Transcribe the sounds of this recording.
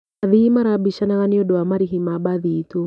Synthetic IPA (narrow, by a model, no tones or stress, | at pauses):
aðiːmaɾabiʃanaɣaniɔɗɔamaɾiɦimaɓaðiːtu